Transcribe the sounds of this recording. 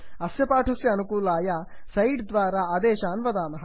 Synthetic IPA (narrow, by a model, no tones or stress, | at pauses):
ɐsjɐpaːʈʰɐsjɐːnukuːlaːjɐsɐjɖd̪ʋaːɾaɐd̪eːʃaːnʋɐd̪aːnɐɦɐ